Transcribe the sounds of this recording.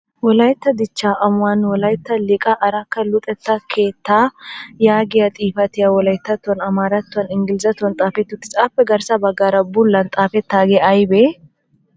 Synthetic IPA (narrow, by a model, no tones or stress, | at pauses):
wɔlɐjt̪ːɐd̪ɪt͡ʃːaːʔɐmʊwɐnwɔlɐjt̪ːɐlɪkʼɐʔːɾɐkːɐlʊt̪ʼɛt̪ːɐkʰe̞ːt̪ːaːjaːɡɪjɐt̪ʼiːfɐt̪ɪjɐwɔlɐjɪt̪ːɐt̪ːʊɐnɐmaːɾɐt̪ːʊɐnɪŋɡɪlzɐt̪ːʊɐnt̪ʼaːfɛt̪ːʊt̪ːɪt͡sʼaːpːɛɡɐɾsɐbɐɡaːɾɐbʊlːɐnt̪ʼaːfɛt̪ːaːɡeɐjbeː